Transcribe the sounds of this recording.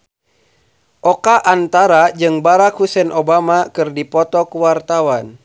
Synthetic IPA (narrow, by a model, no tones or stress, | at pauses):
ʔɔkaʔant̪aɾad͡ʒɨŋbaɾakhusɛnʔobamakɨrdipɔt̪ɔkuwart̪awan